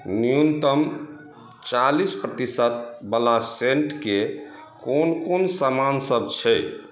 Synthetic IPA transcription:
nijunt̪əm | t͡ʃalispɾət̪isət̪̚bəlaseɳʈke | konkonsamansəbt͡ʃʰɛ

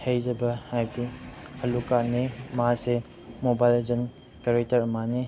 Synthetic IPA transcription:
hejd͡ʒɐbɐhajbiɐlukanimɐɦase | mobajled͡ʒɐn | kɐɾek̚tɐɾɐmani

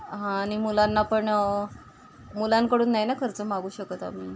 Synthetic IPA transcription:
ɦãɽ̃imulanːapəɳ | mulankəɽuːnːajnakʰəɾt͡səmaɡuːɕəkət̪a̰m̤iː

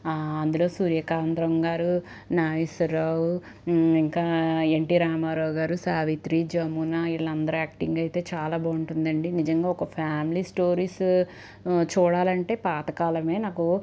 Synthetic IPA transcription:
ɐnd̪ulo̞ːsuːɾjɐkaːnd̪ɾɐŋɡaːɾu | naːʋisɐɾaːwu | iŋkaːeɳʈiɾaːmaːɾɐːwɡaːɾusaːʋit̪ɾid͡ʒɐmːunɐiɭːɐnd̪ɐɾaːk̚ʈiŋɡɐjt̪e̞ːt͡ʃaːlaːbɐːuɳʈund̪ɐɳɖinid͡ʒɐŋɡaːɔkɐpʰaːmilisʈo̞ːɾiːs | t͡ʃuːɽaːlɐɳʈe̞ːpaːt̪ɐkaːlɐme̞ːnaːku

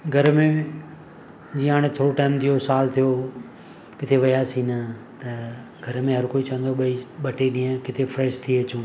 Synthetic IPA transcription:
ɡʱɐɾmẽ | d͡ʑiːə̃ɦaːɽ̃et̪ʰoːɾoʈaːɪmt̪ʰijosaːlt̪ʰijo | kɪt̪ʰeʋɐjaːsĩnɐt̪ɐɡʱɐɾmẽɦɐɾkoːit͡ɕɐ̃nd̪oɓɐiɓɐʈeɗĩːə̃kɪt̪ʰefɾɛːʃt̪ʰieɐt͡ɕũː

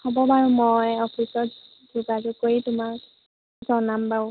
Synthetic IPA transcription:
hɔbɔbaɹumɔjɔpʰisɔt | dukazukoɹitʊmak | zɔnambaw

